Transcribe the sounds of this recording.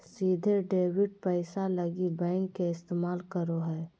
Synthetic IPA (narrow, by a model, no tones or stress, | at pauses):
siːd̪ʱeɖeːwɪɖ̚pɛɪsaləɡibɛ̃ːŋkːeɪst̪eːmaːlkəɾoɦɛː